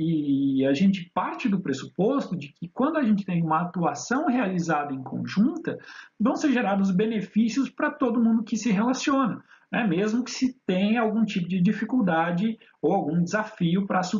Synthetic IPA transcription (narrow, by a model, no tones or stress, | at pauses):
ɪaʒẽnt͡ʃɪpaɾt͡ʃɪd̪ʊpɾesupost̪ʊd͡ʒɪkɪkwɐ̃nd̪ʊaʒẽnt͡ʃɪ̥t̪ẽj̃ũmɐːt̪uasɐ̃w̃healizad̪ɐẽj̃kʰõ̰ʒũnt̪ɐvɐ̃w̃seɾʒeɾad̪ʊzbenefisiʊspɾɐt̪od̪ʊmũnd̪ʊkɪsɪɦelasiõnɐ | nɛmezmʊkɪ̥sɪt̪ẽj̃awɡũt͡ʃipʊd͡ʒɪd͡ʒifikuwd̪ad͡ʒɪ | owawɡũd͡ʒɪzafiʊpɾɐsu